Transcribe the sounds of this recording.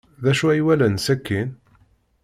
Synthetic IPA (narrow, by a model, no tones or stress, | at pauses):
ðæʃuæjwælənsækːin